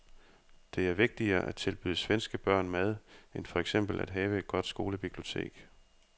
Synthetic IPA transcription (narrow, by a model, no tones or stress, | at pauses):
d̥e̝æɐʋe̝ɡ̥̚d̥iɐːʔæ̥t͡sʰe̝lb̥yːðˠəsʋensɡ̥əb̥ɶɐ̰nmæð̞ˠenfɒ̽eɡ̥sem̰b̥l̩ʔæd̥ɦɛːʋəe̝d̥̚ɡ̥ɒ̽d̥sɡ̥o̝ːləb̥ib̥lio̝t͡sʰe̝̰ːɡ̥